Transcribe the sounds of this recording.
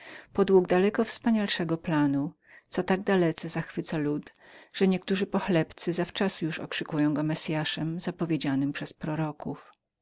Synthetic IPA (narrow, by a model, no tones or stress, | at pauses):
pɔd̪wuɡd̪alɛkɔfspaɲalʂɛɡɔplanu | t̪ɔt̪aɡ̚d̪alɛt̪sɛzaxfɘt̪salut̪ | ʐ̥ɛɲɛk̚t̪uʐɘpɔxlɛpt̪sɘzaft͡ʂasjuʂɔ̰kʂɘkujɔ̃w̃ɡɔmɛsʲjaʂɛmzapɔvʲjed͡ʑanɘmpʂɛspɾɔɾɔkuf